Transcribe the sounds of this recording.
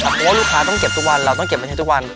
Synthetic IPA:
ʔa˨˩pʰɔ˦˥waː˥˩lu˥˩kʰaː˦˥t̪ɔ˥˩ŋke˨˩p̚t̪ʰu˦˥k̚wa˧nɾa˧wt̪ɔ˥˩ŋke˨˩pma˧˩a˧˥˩t̪u˦˥kwa˧n

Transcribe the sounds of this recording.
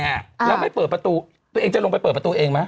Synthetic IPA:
a˧˩lɛː˦˥ma˥˩jpəː˨˩t̪̚pɾa˧t̪uː˧ | ɯ˧˥ʔeː˧ŋt͡ɕa˨˩lo˧ŋpa˧jpɤː˨˩t̚pa˧t̪uː˧ʔeː˧ŋma˦˥

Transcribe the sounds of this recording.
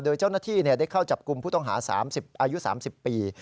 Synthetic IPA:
doː˧jt͡ɕa˥˩wnaː˥˩t̪ʰiː˥˩ni˥˩ɐdaː˥˩jkʰa˥˩wt͡ɕa˨˩p̚ku˧mpʰuː˥˩t̪ɔ˥˩ŋɦaː˩˦sa̰ː˩˦msi˨˩p̚ʔaː˧ju˦˥sa̰ː˩˦msi˨˩pːiː˧

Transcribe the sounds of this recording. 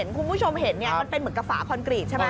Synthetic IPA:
e˩˦nkʰu˧nbu˥˩t͡ɕʰo˧mɦe˨˩˦nnːi˥ɐa˧npe˧nmɯ˩˦nka˧p̚fa̰ː˩˦kʰɔ˧nkɾiː˨˩t̪t͡ɕʰa˥˩ma˦˥

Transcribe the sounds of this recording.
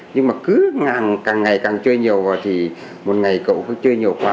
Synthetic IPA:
ɲɨ˧ŋmaː˨˩kɨ˨˦ŋaː˨˩nkaː˨˩ŋːa˨˩jkaː˨˩ŋt͡ɕɨ˧əjɲi˨˩əwvaː˨˩t̪ʰi˨˩ | mo˨˩t̚ŋa˨˩jkə̰˧˨kɨ̰˧˥t͡ɕɨ˧əɲi˨˩əwkwaː˧

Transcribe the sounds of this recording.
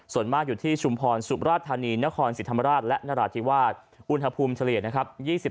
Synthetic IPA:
su˨˩ənmaː˥˩k̚juː˨˩t̪ʰiː˥˩t͡ɕʰu˧mpʰɔː˧nsu˨˩p̚ɾaː˥˩t̪ʰːaː˧niː˧na˦˥kʰɔː˧nsi˨˩t̪ʰa˧mːa˧ɾaː˥˩t̪̚lɛ˦˥ʔnaː˧ɾaː˧t̪ʰi˦˥waː˥˩t̪̚ | ʔu˨˧˥nɦa˧pʰuː˧mt͡ɕʰa˧li˨˩ət̪̚na˦˥kʰa˦˥p̚jiː˥˩si˨˩

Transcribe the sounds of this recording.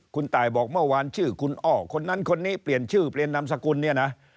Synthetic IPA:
kʰu˧nt̪aː˨˩jbɔː˨˩k̚mɯ˥˩ɐwaː˧nt͡ɕʰɯː˥˩kʰu˧nʔɔː˨˩kʰːo˧nːa˦˥˨nkʰo˧nːiː˦˥˩pli˨˩ənt͡ɕʰɯː˥˩pli˧ənːa˧ms̬a˧ku˧nːi˥˩na˦˥

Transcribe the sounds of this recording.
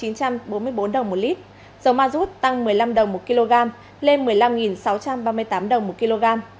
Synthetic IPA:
t͡ɕi˨˦nt͡ɕa˧mɓo˨˦nmɨ˧əjɓo˨˦nɗə˨˩wŋ͡mmo˨˩t̚li˦˥t̚ | z̥ə˨˦wmaː˧zu˦˥t̚t̪a˧ŋmɨ˨˩əjla˧mɗə˨˩wŋ͡mmo˨˩t̚ki˧lo˧ɣaː˧m | le˧nmɨ˨˩əjla˧mŋi˨˩nsa˨˦wt͡ɕa˧mɓaː˧mɨ˧əjt̪aː˨˦mɗə˨˩wŋ͡mmo˨˩t̚ki˧lo˧ɣaː˧m

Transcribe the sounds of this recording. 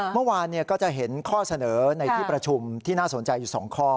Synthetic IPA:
mɯ˥˩ɐwaː˧nːi˥˩ɐkɔː˥˩t͡ɕa˨˩ʔɦe˩˦nkʰɔː˥˩sa˧nɤː˩˦na˧jt̪ʰiː˥˩pɾa˧t͡ɕʰu˧mt̪ʰiː˥˩naː˥˩so˩˦nt͡ɕa˧jːuː˨˩sɔ̰ː˩˦ŋkʰɔː˥˩

